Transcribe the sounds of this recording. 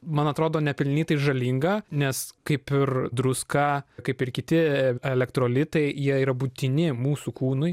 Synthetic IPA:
mɐnɐt̪ɾoːd̪oːnʲɛpʲɪlʲnʲnʲiːt̪ɐɪʒɐlʲiŋɡɐnʲɛskɐɪpɪrd̪ɾʊskɑːkɐɪpɪɾkʲɪt̪ʲɪɛlʲɛkt̪ɾoːlʲɪt̪ɐɪjiɛiːɾɐbut̪ʲɪnʲɪmuːsukuːnʊɪ

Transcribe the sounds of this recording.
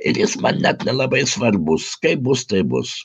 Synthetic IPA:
ɪɾjɪsmɐnnʲɛt̪nʲɛlˠɐbɐɪsʋɐrbʊskɐɪbʊst̪ɐɪbʊ̰s

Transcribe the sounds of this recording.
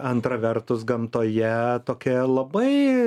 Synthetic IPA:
ɐnt̪ɾɐʋʲɛɾt̪ʊsɡɐmt̪oːjɛt̪oːkʲɛlˠɐbɐɪ

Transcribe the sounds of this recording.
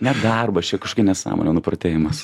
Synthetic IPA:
nʲɛd̪ɐrbɐt͡ʃʲɛkɐʃokʲɪnʲɛsɑ̰ːmo̰nʲɛnʊpɾɐt̪ʲeːjɪmɐs

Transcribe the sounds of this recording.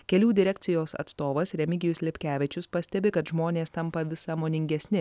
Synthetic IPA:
kʲɛlʲuːd̪ʲɪɾʲɛk̚ʲt̪sʲɪjoːsɐ̰t̪st̪oːʋɐsɾʲɛmʲɪɡʲɪjʊsʲlʲɪpʲkʲæːʋʲɪt͡ʃʲʊspɐsʲt̪ʲɛbʲɪkɐt̪ʒmoːnʲeːst̪ɐmpɐʋʲɪsɐmoːnʲɪŋʲɡʲɛsʲnʲɪ

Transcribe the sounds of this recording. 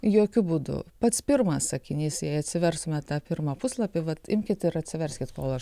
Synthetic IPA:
joːkʲʊbuːd̪ʊ̰pɐt̪spʲɪrmɐssɐkʲɪnʲiːsjɛɪɐt̪ʲsʲɪʋʲɛrsʊmʲɛttɑːpʲɪɾmɑpʊslˠɐpʲɪʋɐt̪ɪmʲkʲɪt̪ɪɾɐtʲsʲɪʋʲɛɾʲsʲkʲɪt̪koːlˠɐʃ

